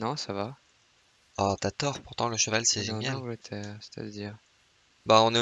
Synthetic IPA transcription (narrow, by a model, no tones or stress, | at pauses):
nɔ̃sava | ɔt̪yat̪ɔʁpuʁt̪ɑ̃ləʃəvalsɛʒenjalt̪ʰɛsɛ̥t̪ʰa̰d̪əd̪iːʁ | baɔ̃ne